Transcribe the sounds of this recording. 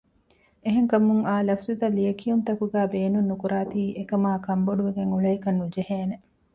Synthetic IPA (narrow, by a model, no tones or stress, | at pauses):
eɦeŋkɐmuŋaːlɐfzut̪ɐliɐkijunt̪ɐkuɡæːbeːnunːukuɾaːt̪iːʔekɐmaːkɐmboɖuʋeɡeŋuɭɐikɐnːud͡ʒeheːne